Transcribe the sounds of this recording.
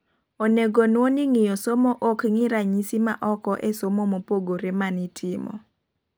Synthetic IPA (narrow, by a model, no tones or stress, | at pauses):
oneɡonwoniŋɪjɔsomoʔokŋɪɾaɲisima̰ʔɔkɔʔesomomopoɡoɾemanitʰɪmɔ̰